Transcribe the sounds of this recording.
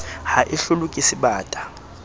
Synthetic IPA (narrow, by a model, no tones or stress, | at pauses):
haʔiɬulukʼisiɓaːtʼḁ